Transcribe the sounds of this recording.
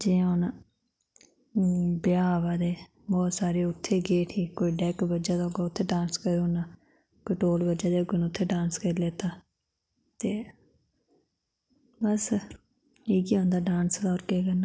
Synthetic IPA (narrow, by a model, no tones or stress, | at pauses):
d͡ʒẽːonaː | bɪjaːʋaːd̪eː | bɔːt̪saːɾeːʊt̪ʰːeːɡeːʈʰiːkoːiːɖɛːkbəd͡ʒaːd̪aːɦʊɡaːʊt̪ʰːeːɖãːnskəɾõːnaː | koːiːʈoːlbəd͡ʒaːd̪eːʊɡenʊt̪ʰːeːɖãːnskəɾleːt̪aː | t̪eː | bəs | iːkiːɦõːnd̪aːɖaːnsd̪ɔːɾkeːkənaː